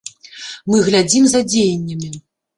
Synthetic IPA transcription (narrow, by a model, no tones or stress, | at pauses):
mɨɣlʲad͡zʲimzɐd͡zʲejɐnʲːɐmʲi